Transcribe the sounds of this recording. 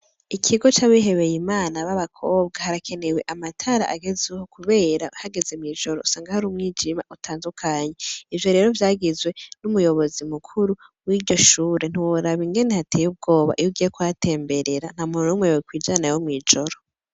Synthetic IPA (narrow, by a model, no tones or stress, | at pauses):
ikʰiɡo̞t͡ʃaβiɦe̞βe̞jimaːnaβaβakʰo̞ːbɡahaɾakʰe̞newe̞ʔamatʰaɾa̰ʔaɡe̞zuhokuβe̞ːɾahaɡe̞ze̞mŋiːʒo̞ɾousaːŋɡahaɾumŋiːd͡ʒimaʔutʰaːndukʰaɲe̞ivjo̞ɾe̞ːɾo̞vjaːɡizwe̞numujo̞βo̞zimukʰuɾuwiːɾɟo̞ʃuːɾen̥iwuɾaβiŋɡe̞nehatʰejub̚ɡo̞ːβa̰ʔijuɡiːjekuatʰe̞ːmbe̞ɾe̞ɾan̥hamunoumweβokwiːd͡ʒanajomŋiːd͡ʒo̞ɾo